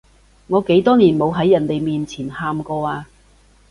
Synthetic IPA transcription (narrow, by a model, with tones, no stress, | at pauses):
ŋɔː˨˧ke˨˥jt̪ɔː˥niː˨˩nmo˨˧wɦɐ˨˥jːɐ˨˩nt̪e˨jmiː˨nt͡sʰiː˨˩nhaː˧mkɔː˧aː˧